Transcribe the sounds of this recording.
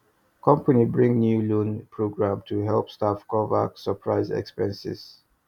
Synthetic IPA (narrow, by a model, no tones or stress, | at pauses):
kʰʌ̃mpanibɹĩŋnjulũnpʰɹoɡɹãmtʰuɦɛlpstafkɔvə̰səpʰɹaɪzɛ̰kspɛ̃nsɪ̰z̥